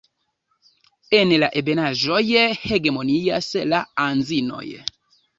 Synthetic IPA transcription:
ɛnɛlaʔebenaʒɔjɛheɡemonijasɛlaanzinɔ̰jɛ̰

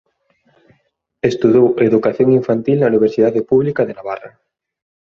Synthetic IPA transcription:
est̪uðoweðukaθjoŋiɱfant̪ilnɐuniβ̞eɾsiðaðepuβlikaðenaβara̰

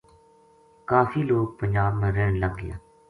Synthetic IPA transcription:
kaːfiːloːk̚pəɲd͡ʒaːbmẽːɾɛːɽləɡːɪja̰ː

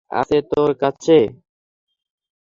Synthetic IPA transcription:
a̰set̪oɾkat͡ɕʰe

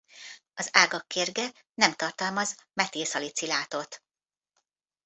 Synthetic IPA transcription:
ɒzaːɡɒkːeːrɡɛ | nɛmt̪ɒrt̪ɒlmɒzmɛt̪eːsɒlit̪silaːt̪o̞t̪

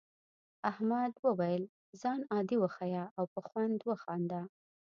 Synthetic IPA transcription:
ahmad̪wəwajəl | zɑnɑd̪iwəxajɑawpəxwand̪wəxɑnd̪a

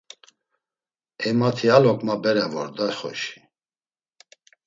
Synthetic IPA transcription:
ɛmat̪ʰialɔkʼmabɛɾɛvɔɾd̪aχɔ̰ʃi̥

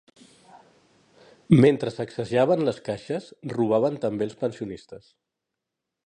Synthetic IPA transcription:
ment̪ɾəsəksəʒaβ̞ənləskaʃəsruβ̞aβ̞ənt̪əmbelˠspənsiunist̪əs

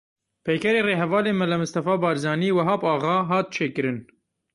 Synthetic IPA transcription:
pʰɛjkɛɾeːreːɦɛvɑːleːmɐlɐmɨst̪ɐfɑːbɑːɾzɑːniːwɐɦɑːbɑːɣɑːɦɑːt̪̚t͡ʃʰeːkɨɾɨn

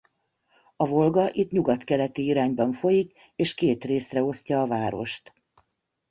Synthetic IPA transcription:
ɒvo̞lɡɒʔit̪ɲuɡɒt̪kɛlɛt̪iiɾaːɲbɒɱfo̞jik | eːʃkeːt̪reːsrɛo̞scɒːvaːɾo̞̰ʃt̪

